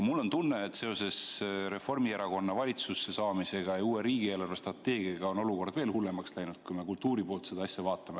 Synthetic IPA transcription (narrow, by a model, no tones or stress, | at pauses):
mulːo̞nt̪unːe̞ːt̪se̞o̞se̞sɾe̞fo̞rmieɾɑko̞nːɑvɑlʲit̪susːe̞sɑːmise̞ɡ̥ɑjɑuːeɾiːɡ̥ie̞ːlɑrvest̪rɑt̪ːe̞ːɡ̥iɑɡ̥ɑo̞no̞luko̞rd̪ve̞ːlhulːe̞mɑkslæjnud̪̥̚kujme̞kult̪ːˑuːɾipo̞ːlt̪se̞d̪ɑɑsʲjɑvɑːt̪ːˑɑme̞